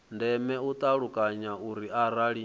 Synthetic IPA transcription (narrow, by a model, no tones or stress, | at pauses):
ndɛmɛut̪ʼaɺukʼaɲauɾiaɾaɺi